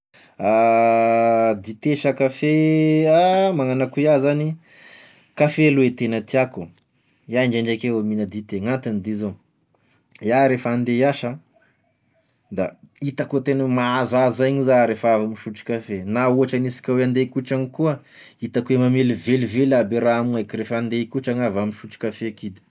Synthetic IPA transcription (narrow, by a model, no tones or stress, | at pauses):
a | d̪it̪eʃakafeamaŋanakujazani | kafeluet̪enət̪iaku | jaɳd͡ʒaɳɖ͡ʐakeaminəd̪it̪eŋant̪inid̪izo | jaɾefand̪ejaʃə | d̪a | it̪akot̪enəmaazazzajɲizaɾefavamiʃuʈ͡ʂi̥kafenauɦaʈ͡ʂanisi̥kʲaweand̪ekuʈ͡ʂaŋikuə | it̪akuemamelivelivelabeɾaamuajkirefand̪ekuʈ͡ʂaŋavamiʃuʈ͡ʂi̥kafekid̪i̥